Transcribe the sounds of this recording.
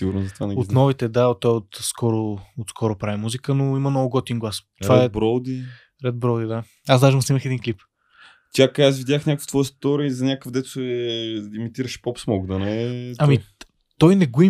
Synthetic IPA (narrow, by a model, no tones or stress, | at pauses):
siɡuɾnozɐt̪vanɛot̪nɔvit̪ɛd̪aot̪ːɔjɛot̪skʰɔɾʊot̪skʰɔɾʊpɾavimuzikənoimənɔvʊɡɔt̪ʲinɡlˠast̪oɾvaɛɛbɾɔld̪i | ɾɛd̪̚bɾɔld̪id̪a | asd̪aʒimʊsiməxɛd̪inklip | t̪ʲjakasvid̪ʲjaknʲakəkft̪vɔjəst̪ɔɾizɐnʲakəfd̪ɛt̪ʊ̥sɛimit̪iɾəʃpɔpsmɔɡd̪ɐnɛɐmi | t̪ɔjnɛɡoi